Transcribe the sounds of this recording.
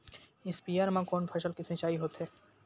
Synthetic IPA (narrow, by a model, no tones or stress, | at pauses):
ɪspiːjaːɾmãkɔːnpʰɐʃəlkɪsẽt͡ʃaːiɦoːt̪ɦɛː